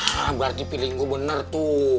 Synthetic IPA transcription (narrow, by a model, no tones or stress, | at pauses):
abart̪ipiliŋɡubənərt̪u